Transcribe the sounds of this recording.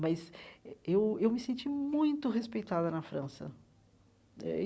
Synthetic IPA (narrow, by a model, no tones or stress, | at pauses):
mɐzewewmɪsẽnt͡ʃimũj̃t̪ʊɦespejt̪ad̪ɐnɐfɾɐ̃sɐ̰ | ɛ̰